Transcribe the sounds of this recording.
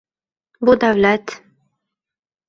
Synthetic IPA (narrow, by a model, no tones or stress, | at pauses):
bud̪awlæt̪